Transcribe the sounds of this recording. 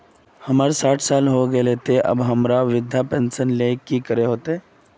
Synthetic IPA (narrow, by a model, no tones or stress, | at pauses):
həmaːɾsaːʈʰsaːlɦoɡəeleːt̪eʔɐ̰bɦəmɾaʋɪd̪ʱjapɛ̃nsənlekikəɾeɦoːt̪eeː